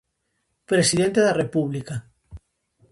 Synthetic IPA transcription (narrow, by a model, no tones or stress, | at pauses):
pɾesiðẽnt̪eðarepuβlika